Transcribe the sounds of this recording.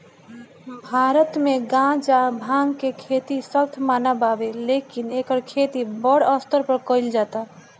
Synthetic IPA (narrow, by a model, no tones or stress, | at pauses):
bʱaɾət̪meɡãd͡ʒabʱãŋɡkekʰet̪isət̪ʰmanababelekinekəɾkʰet̪ibəɽəst̪əɾpəɾkəɪld͡ʒat̪a